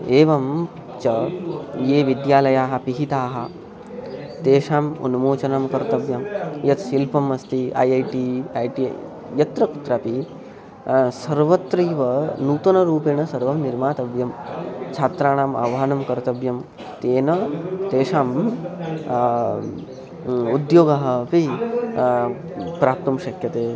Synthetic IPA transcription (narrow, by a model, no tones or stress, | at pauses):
eːʋɐm | t͡ʃɐjeːʋid̪jaːlɐjaːɦɐ̆piɦit̪aːɦɐ̆ | t̪eːʂaːmɐ̰numoːt͡ʃɐnamkɐɾt̪ɐʋjɐmjɐt̪ʃilpɐmɐst̪ia̰ːjɐjʈiajʈḭ | jɐt̪ɾɐku̥t̪ɾaːpi | sɐɾʋɐt̪ɾɐjʋɐnuːt̪ɐnɐɾuːpeːɳɐsɐɾʋɐmniɾmaːt̪ɐʋjɐmt͡ʃʰaːt̪ɾaːɳaːma̰ʋɐɦɐnɐmkɐɾt̪ɐbjɐm | t̪eːnɐt̪eːʂaːm | ud̪joːɡɐɦɐ̆pi | pɾaːp̚t̪ɐmʃɐkʰjɐt̪eː